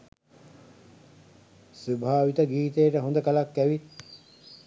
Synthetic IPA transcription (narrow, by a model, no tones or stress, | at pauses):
subʱaːʋit̪əɡiːt̪ejʈəɦund̪əkalakːæʋit̪